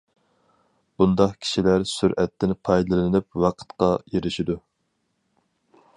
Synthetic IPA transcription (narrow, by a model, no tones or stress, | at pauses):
b̥und̪ɑqkʲʰi̥ʃilæɾsyɾʔɛt̪ʰːɪnpʰɑjd̪ɨlˠɨnɨp̚wɑqʰə̥t̪qɑjeɾɪʃid̪u